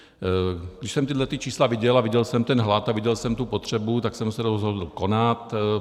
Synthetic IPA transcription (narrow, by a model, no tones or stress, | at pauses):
ɡdɪʃsɛmt̪ɪd̪lɛt̪ɪt͡ʃiːslavɪɟɛlavɪɟɛlsɛmt̪ɛnɦlat̪avɪɟɛlsɛmt̪upot̪r̝̥ɛbut̪aksɛmsɛdozɦod̪l̩ko̞nat̪